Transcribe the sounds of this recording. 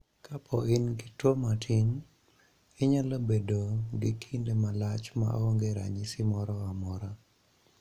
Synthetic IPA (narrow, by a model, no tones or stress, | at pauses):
kʰapʰɔɪnɡɪtwomatʰɪn | ɪɲalobedoɡɪkʰindemalat͡ʃma̰oŋɡeɾa̰ɲɪsɪmɔɾɔamɔɾa